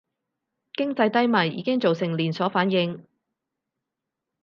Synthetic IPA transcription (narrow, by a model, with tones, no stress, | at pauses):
kɪ˥ŋt͡sɐ˧jt̪ɐ˥jmɐ˨˩jːḭː˨˧kɪ˥ŋt͡so˨wsɪ˨˩ŋliː˨˩nsɔː˨˥faː˨˥njɪ˧ŋ